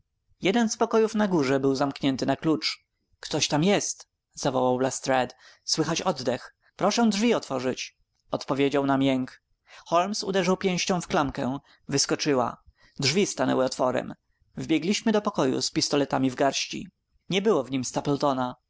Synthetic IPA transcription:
jɛd̪ɛnspɔkɔjufnaɡuʐɛbɘwzamkɲɛnt̪ɘnaklut͡ʂ | kt̪ɔɕt̪amjɛst̪ | z̥avɔwawblast̪ɾɛt̪swɘxat͡ɕɔd̪d̪ɛx | pɾɔʂɛ̃dʐvʲiɔt̪fɔʐɘt͡ɕ | ɔt̪pɔvʲjed͡ʑawnamjɛŋk | xɔlmsṵd̪ɛʐawpʲjɛ̃w̃ɕt͡ɕɔ̃w̃fklamkɛ | vɘskɔt͡ʂɘwa̰ | dʐvʲist̪anɛ̰wɘɔt̪fɔɾɛ̰m | vbʲjɛɡlʲiɕmɘd̪ɔpɔkɔjṵspʲist̪ɔlɛt̪amʲivɡaɾɕt͡ɕḭ | ɲɛbɘwɔvɲimst̪apɛlt̪ɔna

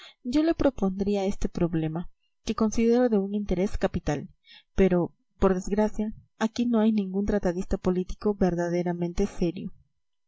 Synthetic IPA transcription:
ɟ͡ʝo̞le̞pɾo̞po̞nd̪ɾiae̞st̪e̞pɾo̞βle̞ma | ke̞ko̞nsiðe̞ɾo̞ðe̞uŋint̪e̞ɾe̞skapit̪al | pe̞ɾo̞ | po̞ɾðe̞zɡɾasjaː | kino̞ajnĩŋɡunt̪ɾat̪aðist̪apo̞lit̪i̥ko̞βe̞ɾðaðe̞ɾamẽ̞nt̪e̞se̞ɾjo

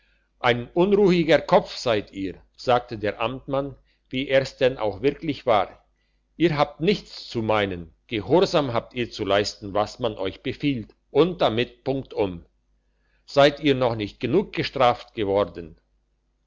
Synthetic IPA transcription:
ʔaɪnʔʊnʁuːɪɡəkʰɔp͡fz̥aɪtʰiːɐ | z̥aːk̚tədeːɐʔamtman | viːʔeːɐsd̥ɛnʔa̰ʊxv̥ɪɐklɪçv̥a̰ːʁ | ʔiːɐɦaːp̚tnɪçt͡st͡sumaɪnənɡ̥əhɔɐzaːmɦaːp̚tiːɐt͡sulaɪstn̩vasmanʔɔʏçb̥əfiːlt | ʔʊnt̚d̥amɪt̚pʊŋk̚tʔʊm | z̥aɪtiːɐnɔχnɪçt̚ɡ̥ənuːk̚ɡ̥əʃtʁ̥aːftɡ̥əvɔʁdn̩

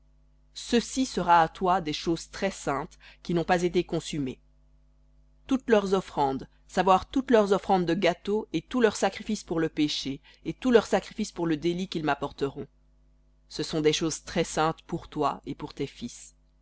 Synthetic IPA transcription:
səsisəʁaːt̪wad̪ɛʃozt̪χɛsɛ̃t̪kʲinɔ̃pazet̪ekɔ̃syme | t̪ut̪lœʁzɔfχɑ̃d̪ | savwaʁt̪ut̪lœʁzɔfχɑ̃d̪ːəɡat̪oet̪ulœʁsakχifispuʁləpeʃeː | t̪ulœʁsakχifispuʁləd̪elikʲilmapɔʁt̪əʁɔ̃ | səsɔ̃d̪ɛʃozt̪χɛsɛ̃t̪puʁt̪waepuʁt̪efis

